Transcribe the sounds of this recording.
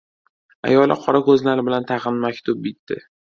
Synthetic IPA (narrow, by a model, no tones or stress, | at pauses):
a̰jɒlˠɪqʰɒɾakɵzlaɾɪbɪlant̪ʰɑʁɨnmakʲt̪ʰʊb̚bɪt̪ʰːɪ̰